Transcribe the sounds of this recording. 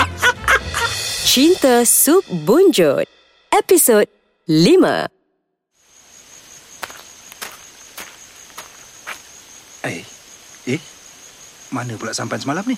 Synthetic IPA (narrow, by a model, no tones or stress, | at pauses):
t͡ʃint̪əsuk̚bund͡ʒo̰t̪̚ | ɛpisod̚ | limə̰ | eje | manə̃pulaʔsampajnsəmalamni